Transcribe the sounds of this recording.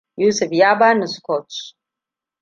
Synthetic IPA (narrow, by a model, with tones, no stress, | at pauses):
juː˦sʊ˨fjaː˦baː˦nu˨skɔtt͡ʃ